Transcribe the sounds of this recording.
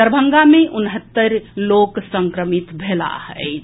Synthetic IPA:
əɾbʱəŋɡameʔunɦət̪ːəɾloksə̃ŋkɾəmit̪bʱela̰hɛ̰ɪ

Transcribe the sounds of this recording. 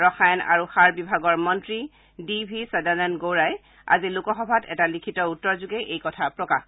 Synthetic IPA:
ɹɔxajna̰ɹuxaɹbibʱaɡɔɹmɔntɹi | dibʱisɛdanɛnɡowɹaj | a̰zilukɔxɔbʱatɛ̰talikʰitɔutːɔɹzuɡɛʔejkɔtʰapɹɔkax

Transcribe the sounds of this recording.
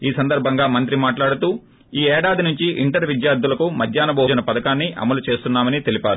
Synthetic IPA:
iːsɐnd̪ɐɾbʱɐŋɡaːmɐnt̪̬ɾimaːʈlaːɽut̪uː | iːɛːɽaːd̪inuɲt͡ʃiʔiɳʈɐɾʋid̪jaːɾd̪ːulɐkumɐd̪ʱjaːnɐbɐːd͡ʒɐnɐpɐd̪ɐkaːnːiʔɐ̰mɐlut͡ʃe̞ːst̪unːaːmɐnit̪e̞lipaːɾu

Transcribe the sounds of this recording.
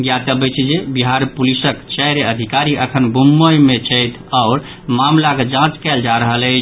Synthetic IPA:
ɡjat̪əbət͡ʃʰd͡ʒebiɦaɾpulisəkt͡ʃɛjɾeəd̪ʱikaɾiʔəkʰənbʱumːəjmet͡ʃʰəjt̪ʰɔʊɾ | mamlaked͡ʒãt͡ʃkɛld͡ʒaɾəɦələt͡ʃʰ

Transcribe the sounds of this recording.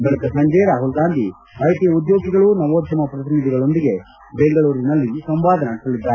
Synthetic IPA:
bɛɭuk̪ɐsɐɲd͡ʒɛjɾaːɦulɡaːnd̪i | ɾɐjt̪ijɐud̪jo̞ːɡiɡɐɭunɐʋoːd̪ʱɐmɐpɾɐt̪imid̪ʱiɡɐɭo̞nd̪iɡe̞ | beŋɡɐɭuːɾinɐlːisɐmʋaːd̪ʱɐnaːɽisɐlid̪ːaːɾ

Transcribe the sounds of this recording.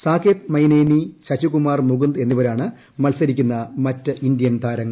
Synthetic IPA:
saːkʰet̪mɐjneːniɕɐɕukumaːrmuɡund̪e̞nːiʋɐɾaːɳɨ | mɐlsɐɾikʲːunːɐmɐtːɨʔindijɐnt̪ʰaːɾɐŋːɐ

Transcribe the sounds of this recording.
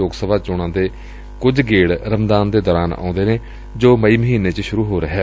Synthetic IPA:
oːɡsəbʱaːt͡ʃʊɽ̃ãːd̪eː | kʊd͡ʒɡeːɽɾəmd̪aːnd̪eːd̪ɔːɾaːnã̰ːʊ̃nd̪eːneː | d͡ʒoːməiːməɦiːneːt͡ʃəʃʊɾuːɦoːɾəɦɛː

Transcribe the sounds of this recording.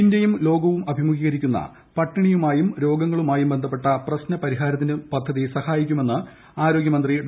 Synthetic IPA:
indjɐjumlo̞ːɡɐʋumɐbʱimuɡiːɣɐɾikʲːunːɐ̰ | pɐʈːɐɳijumaːjumɾo̞ːɡɐŋːɐɭumaːjumbe̞nd̪ʱɐpːe̞ʈːɐprɐɕnɐpɐɾiɦaːɾɐt̪̬ːindɨpɐd̪ʱːɐðisɐhaːjikʲːume̞nːɨ | aːɾo̞ːɡjɐmɐnd̪riɖ

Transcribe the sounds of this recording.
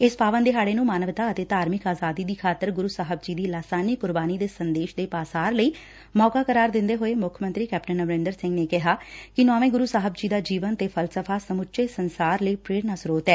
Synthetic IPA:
ɪspaːʋənd̪eːɦaːɽeːnũːmaːnəʋt̪aːət̪eːt̪aːɾmɪkaːzaːd̪iːd̪iːkʰaːt̪əɾɡʊɾuːsaːɦəb̚d͡ʒiːd̪iːlaːsaːnikʊɾbaːniːd̪eːsənd̪eːʃd̪eːpaːsaːɾləiː | mɔːkaːkəɾaːɾd̪ɪnd̪eːɦoːeːmʊkʰmə̃nt̪ɾiːkɛːp̚ʈənːəʋɾɪ̃ːnd̪əɾsɪ̃ŋɡneːkɪɦaːkɪnɔ̃ːʋẽːɡʊɾuːsaːɦəbd͡ʒiːd̪aːd͡ʒiːʋənt̪eːpʰəlsəpʰaːsəmʊʃʰeːsənsaːɾləiːpɾeːɽnaːsɾoːt̪ɛː

